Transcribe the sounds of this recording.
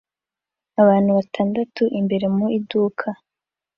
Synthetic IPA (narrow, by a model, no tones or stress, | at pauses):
aβaːn̥huβatʰaːndatuʔimbe̞ɾe̞muiduːkʰa